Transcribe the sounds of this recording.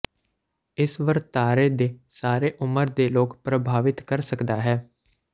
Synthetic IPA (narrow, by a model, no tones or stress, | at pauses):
ɪsʋəɾt̪aːɾeːd̪eːsaːɾeːʔʊməɾd̪eːloːkpɾəbʱaːʋɪt̪kəɾsəkd̪aːɦɛː